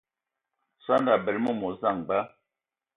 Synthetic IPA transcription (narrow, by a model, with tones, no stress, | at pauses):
sa˦nda˨bɛ˨lmɔ˦˨mɔ˨za˦˨ŋɡ͡ba˦